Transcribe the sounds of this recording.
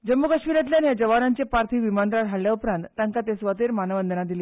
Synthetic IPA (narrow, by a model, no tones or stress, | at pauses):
d͡ʑəmːukəɕmilat̪̬ljanjad͡ʑəʋaɾaɲt͡ɕepaɾt̪ʰiːʋimand̪ɾaɽʰʱaɭljaupɾãnt̪ːaŋkat̪esʋat̪eɾmanəʋənd̪ənad̪iliː